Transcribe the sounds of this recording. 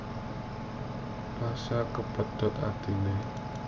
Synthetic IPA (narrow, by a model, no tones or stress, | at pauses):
pasakəpət̪ʰːɔt̪a̰t̪ine